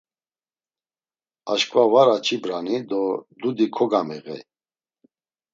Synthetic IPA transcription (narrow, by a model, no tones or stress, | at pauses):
aʃkʼvavaɾat͡ʃʰibɾanid̪ɔd̪ud̪ikʰɔɡamɛɣɛ̰